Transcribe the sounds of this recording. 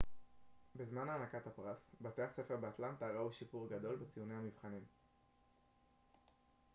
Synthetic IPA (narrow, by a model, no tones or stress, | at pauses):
bezmanaːnakat̪hapʁasbat̪ease̞fe̞ʁbeat̪lant̪aʁauʃipuʁɡad̪o̞lbet͡sijunehamivχanim